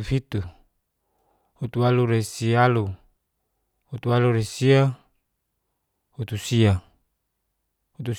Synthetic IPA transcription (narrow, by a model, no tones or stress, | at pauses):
fit̪u | hut̪ualuɾesialu | hut̪ualuɾesia | hut̪usia | hut̪u